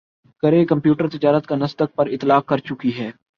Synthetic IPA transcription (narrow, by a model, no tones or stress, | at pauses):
kɐɾekɐ̃mpjuːʈəɾt̪ɪd͡ʒaːɾət̪kanɐsd̪ək̚pɐɾɪt̪laːkːɐɾt͡ʃʊkiɦɛː